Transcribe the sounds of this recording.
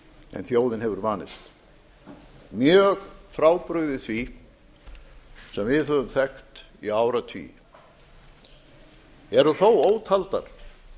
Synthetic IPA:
ɛ̰nθjoːwðɪnɦɛvʏɾvaːnɪst̪ | mjœːɣfɾaːwpɾʏɣðɪθvi | sɛmvɪðhœðʏmθɛxt̪ | ḭaːwɾat̪ʰvḭ | ɛɾʏθowoːwt̪ʰalt̪aɾ̥

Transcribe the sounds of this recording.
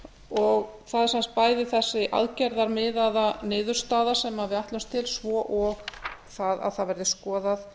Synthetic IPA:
ɔɣθaðsanst̪̚paːjðɪθɛsːɪʔa̰ðcɛɾðaɾmɪðaðanɪːðʏɾ̥st̪aːðḁsɛmhaððɪaht̪lʏst̪ʰːɪlsvɔːʔɔɣθaða̰ðθaðvɛɾðɪskɔːðaθ

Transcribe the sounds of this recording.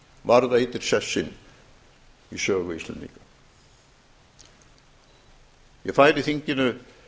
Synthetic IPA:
vaɾðaet̪ɪɾ̥sɛsːɪn | isœːɣʏist̪lɛ̰nd̪ḭka | jɛfaːjɾɪθiɲcɪnʏ

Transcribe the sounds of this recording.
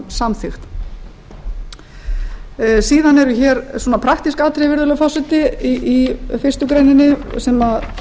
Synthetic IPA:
samθɪxt̪ | siːðanɛɾʏçɛːɾswɔːnapʰɾaxt̪iskaːt̪ʰɾɛvɪɾðʏlʏfɔsɪt̪ɪiifɪrst̪ʏkɾejnɪnːɪsɛmað

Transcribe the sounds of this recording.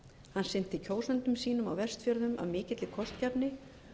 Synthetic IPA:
hanːsɪn̥t̪ɪicʰoːwsɛnt̪ʏmsiːnʏma̰wvɛr̥st̪fjœɾðʏmʔa̰ðmɪːcɪt̪lɪkʰɔst̪capnɪ

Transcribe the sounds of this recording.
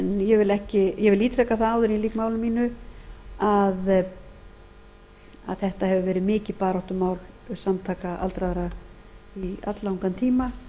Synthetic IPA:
ɛnjɛvɪlɛhcɪjɛɣvɪliːt̪ʰɾɛkaθaaːwðʏɾiliːkmaːwlɪmiːnʏ | að | a̰ðθɛht̪ahɛvʏvɛːɾɪmɪːcɪpaːɾaht̪ʏmaːwl | samt̪ʰaːkaʔa̰lt̪ɾaðɾa | ia̰t̪lawŋkant̪ʰiːma

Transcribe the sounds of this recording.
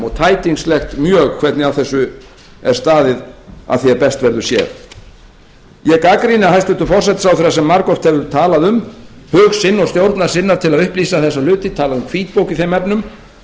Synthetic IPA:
ɔɣt̪ʰaːjt̪iŋslɛxt̪mjœːɣkʰv̥ɛt̪nɪaθɛsːʏ | ɛɾ̥st̪aːðɪða̰ðθiɛɾpɛst̪vɛɾðʏsjɛ̰ɾ̥ | jɛɣkakɾinɪaɦajst̪ʏnt̪ʏfɔr̥sɛt̪ɪsawθɛɾasɛmːaɾkɔr̥t̪hɛvʏɾt̪ʰaːlaðʏm | hœːɣsɪnːɔst̪jowɾt̪naɾ̥sɪnːaɾ̥t̪ʰɪlaðʏhpliːsaθɛs̬ːalʏːt̪ɪt̪ʰaːlaðʏmkʰviːt̪̚powcɪθejmɛpnʏm

